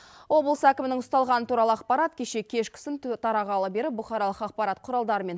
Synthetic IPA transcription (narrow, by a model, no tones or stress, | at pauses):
wo̞blˠəsækʲɪmɪnɪŋʊst̪ɑlˠʁɑnət̪ʰuɾɑlˠəɑqpɑɾɑt̪kʲʰe̞ʃe̞kʲʰe̞ʃkʲʰɪ̥sɪnt̪ʰɑɾɑʁɑlˠəbe̞ɾɪp̚bʊχɑɾɑlˠəqɑq̚pɑɾɑt̪qʰʊɾɑlˠd̪ɑɾəme̞n